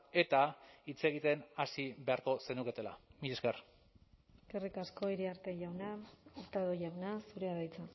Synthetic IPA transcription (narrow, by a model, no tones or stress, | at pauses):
e̞t̪ait͡se̞ɣ̞it̪e̞nasiβe̞aɾko̞se̞nuke̞t̪e̞la̰miʎesker | ekerikasko̞iɾiaɾt̪e̞ʝawnaoɾt̪aðoʝawnasuɾe̞aðajt͡sa